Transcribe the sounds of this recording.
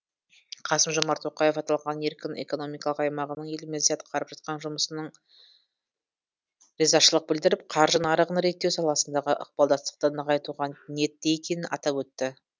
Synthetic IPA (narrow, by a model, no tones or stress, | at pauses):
qʰɑsəmʒomɑɾt̪ʰo̞qɑjefɑt̪ɑlˠʁɑne̞ɾkʲɪne̞̰ko̞no̞mijkɑlˠəqɑjmɑʁənəɴje̞lɪmezijet̪ə̥qʰɑɾəp̚ʒ̥ɑt̪̚qɑnʒʊməsənəɴ | ɾezɑʃəlˠəq̚bɪld̪ɪɾɪp̚qʰɑɾʒənɑɾəʁənɾe̞t̪ːe̞wsɑlˠɑsənd̪ɑʁəʔə̰q̚bɑlˠd̪ɑst̪ə̥q̚t̪ənəʁɑjt̪uʁɑne̞t̪ːeekʲe̞nɪnɑ̰t̪ɑpwɵt̪ːɪ